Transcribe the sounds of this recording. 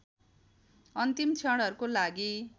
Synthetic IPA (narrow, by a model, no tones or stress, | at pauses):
ʌnt̪imt͡sʰʌɽɦʌɾukolaɡi